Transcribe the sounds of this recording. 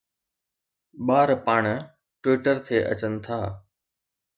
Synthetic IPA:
ɓaːɾpaːɳ̃ | ʈwiːʈəɾt̪ʰeːʔə̰t͡ɕənɪ̆t̪ʰaː

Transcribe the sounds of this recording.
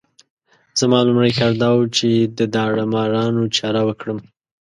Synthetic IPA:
z̥əmɑlʊmɽajxaɾd̪ɑwt͡ʃed̪əd̪ɑɽamɑɾɑnot͡ʃɑɾawəkɽəm

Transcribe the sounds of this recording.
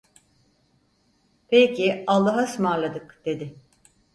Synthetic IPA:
pʰejcʰialˠːaɦasmaɾlˠad̪ɯkd̪̥e̞d̪ɪ

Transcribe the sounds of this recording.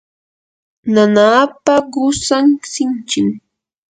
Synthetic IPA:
nanaːpaɢʊsaŋsɪnt͡ʃɪm

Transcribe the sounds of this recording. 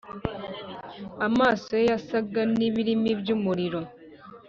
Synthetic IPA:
amaːsojejasaɡaniβiɾimiβjuːmuɾiɾo̞

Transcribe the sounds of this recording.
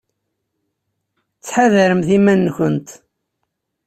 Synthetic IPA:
t͡sːħaðæɾəmθimænːçənt̪

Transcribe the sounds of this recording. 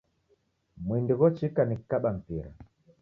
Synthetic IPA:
mwindiɣɔt͡ʃikanikaɓam̩piɾa̰

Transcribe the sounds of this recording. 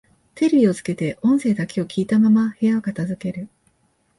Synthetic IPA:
t̪e̞ɾʲiio̞zɨ̥ke̞t̪e̞ʔõ̞ɰ̃se̞ːd̪akʲeo̞kʲiːt̪amamahe̞jaokat̪azɨke̞ɾɯ̟

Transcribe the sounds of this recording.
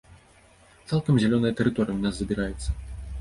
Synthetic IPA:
t̪salˠkɐmzʲalʲɔnɐjɐt̪ɛɾɨt̪ɔɾɨjɐwnaszɐbʲiɾajɛt̪sːɐ

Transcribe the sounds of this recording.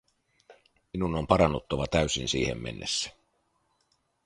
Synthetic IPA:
minunompɑɾɑnːut̪ːoʋɑt̪æyɥsinsiːhḛmːḛnːesːæ̥

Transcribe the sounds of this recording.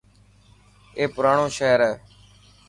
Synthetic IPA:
eːpʊɾaːɳõːʃeːɾɛː

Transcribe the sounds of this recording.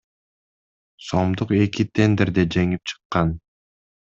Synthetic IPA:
so̞md̪uqe̞kit̪ʲʰe̞nd̪eɾd̪ed͡ʒe̞ŋip̚t͡ʃʰɯ̥qːɑn

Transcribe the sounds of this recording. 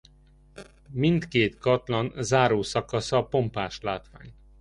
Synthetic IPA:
mint̪keːt̪kɒt̪lɒnzaːɾoːsɒkɒsɒpo̞mpaːʃlaːt̪ʋa̰ːɲ

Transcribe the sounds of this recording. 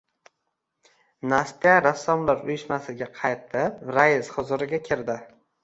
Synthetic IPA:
nast̪ijaɾasːɒmlaɾʊjɪʃmasɪɡʲaqʰɑjt̪ʰɪpɾajɪzχʊzʊɾɪɡʲakʲʰɪɾd̪ɪ

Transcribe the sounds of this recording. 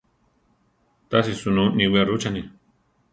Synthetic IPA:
t̪as̬isunũnĩwiaɾut͡ʃanĩ

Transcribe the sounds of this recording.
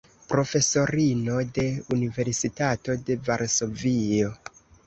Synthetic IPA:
pɾo̞fe̞so̞ɾino̞de̞unive̞ɾsitato̞de̞vaɾso̞vio̞

